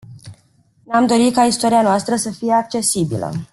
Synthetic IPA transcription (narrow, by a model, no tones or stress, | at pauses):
namd̪o̞ɾikaist̪oɾianoast̪ɾəsəfijeak̚t͡ʃe̞sibḭlə̰